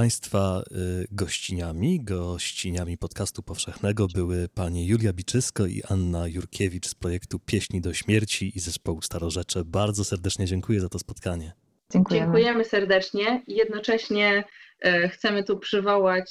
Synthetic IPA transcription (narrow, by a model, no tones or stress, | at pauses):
paj̃st̪faɡɔɕt͡ɕiɲamʲiɡɔɕt͡ɕiɲamʲipɔt̪kast̪upɔfʂɛxnɛɡɔbɘwɘpaɲɛjulʲjabʲit͡ʂɘskɔḭʔanːajuɾkʲʰevʲit͡ʂspɾɔjɛkt̪upʲjeɕɲid̪ɔɕmʲjɛɾt͡ɕiizɛspɔwust̪aɾɔʐɛt͡ʂɘbaɾd̪zɔsɛɾd̪ɛt͡ʂɲɛd͡ʑɛŋkujɛzat̪ɔspɔt̪kaɲɛ | ŋd͡ʑɛŋkujɛmɘsɛɾd̪ɛt͡ʂɲɛijɛd̪nɔt͡ʂɛɕɲɛ | xt̪sɛmɘt̪upʂɘvɔwat͡ɕ